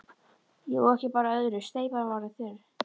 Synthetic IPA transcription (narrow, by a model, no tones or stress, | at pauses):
jɛɣɔɣɛhcɪpaːɾaœðɾʏst̪eːjpaavaɾɪθɛɾ